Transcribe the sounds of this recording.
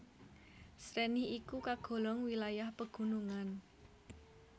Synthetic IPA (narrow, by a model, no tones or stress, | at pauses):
sɾɛnɪhikukaɡ̥o̤lɔŋwilajahpəɡ̥ṳnuŋan